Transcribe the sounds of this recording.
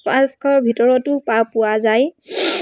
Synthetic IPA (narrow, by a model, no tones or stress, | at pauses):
paskʰɔɹbʱitɔɹɔtʊpapʊwazaj